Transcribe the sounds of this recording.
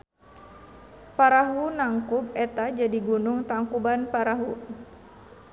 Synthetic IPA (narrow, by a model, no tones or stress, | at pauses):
paɾaɦunaŋkub̚ɛt̪ad͡ʒadiɡunuŋt̪aŋkubanpaɾaɦu